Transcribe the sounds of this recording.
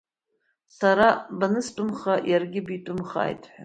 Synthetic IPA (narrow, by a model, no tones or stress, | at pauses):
sʰaɾabanɨstʼʊmχajarɡʲɪbitʷʼʊmχa̰ːjtʰʼħʷᶣa